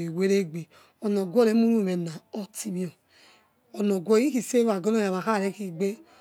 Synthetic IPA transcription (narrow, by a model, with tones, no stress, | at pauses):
i˨we˦ɾe˦ɡ͡be˨ | o˨no˨ɡʷɔ˦˨ɾe˦mu˦ɾu˦˨me˨na˨o˦ti˦mi˦o˨ | o˨no˨ɡʷo˦i˦ki˨se˦a˨ɡo˦no˦ja˨βa˨ka˦˨ɾe˦ki˦ɡ͡be˦